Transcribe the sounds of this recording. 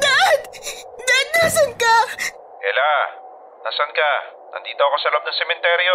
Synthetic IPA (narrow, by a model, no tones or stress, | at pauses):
d̪ad̪d̪ad̪̚naːsɐnka | ʔɛ̰la | na̰ːsɐnkanʔɐ̰nd̪iːt̪oɐkosɐlb̚nɐŋsɛmɛnt̪ɛɾjo